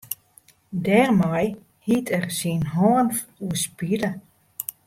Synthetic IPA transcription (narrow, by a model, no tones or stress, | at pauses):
dɛːrmaj | hitʰɛrsinɦɔːnf | uəspilə